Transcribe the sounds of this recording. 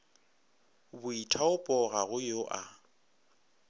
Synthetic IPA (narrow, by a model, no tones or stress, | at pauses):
bʊitʰaʊpʼɔɣaɣʊjoʔa